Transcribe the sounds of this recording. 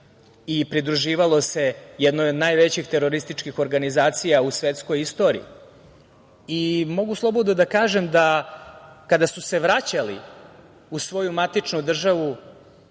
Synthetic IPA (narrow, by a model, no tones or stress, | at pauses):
ipɾid̪ɾuʒiːʋalˠo̞se̞jɛd̪nojod̪naːjʋe̞t͡ɕixt̪e̞ɾo̞ɾist̪it͡ʃkixo̞ɾɡanizaːt̪sijausʋet̪sko̞jist̪o̞ːɾḭi | imo̞ɡuslˠo̞bod̪od̪akaːʒemd̪a | kad̪asuse̞ʋɾat͡ɕalḭ | usʋo̞jumat̪it͡ʂnud̪r̩ʒaʋu